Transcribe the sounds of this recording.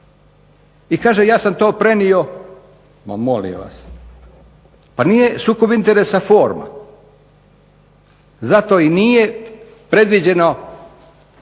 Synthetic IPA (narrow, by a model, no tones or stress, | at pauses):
ikaːʒejaːsamt̪o̞ːpɾe̞nio̞ | ma̰molḭo̰ʋa̰s | panije̞suːko̞bint̪e̞ɾesafo̞ːɾma̰ | zat̪o̞ːinije | pɾe̞d̪ʋid͡ʑe̞no̞